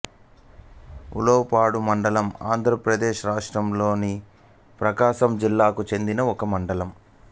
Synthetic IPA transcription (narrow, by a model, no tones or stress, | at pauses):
ṵloːpaːɽumɐɳɖɐlɐma̰ːnd̪ʱɾɐpɾɐd̪eːʃɾaːʂʈɾɐmlo̞ːni | pɾɐkaːʃɐmd͡ʒilːaːkut͡ʃe̞nd̪inɐɔkɐmɐɳɖɐlɐm